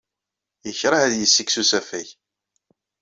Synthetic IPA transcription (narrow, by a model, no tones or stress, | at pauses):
jəçɾˤɑʕæðjəsːiksusæfæj